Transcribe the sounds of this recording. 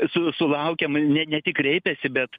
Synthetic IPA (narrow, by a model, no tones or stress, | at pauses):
sʊsʊlˠɐʊkʲɛmnʲɛnʲɛt̪ʲɪkrʲɛɪpʲɛsʲɪbʲɛt̪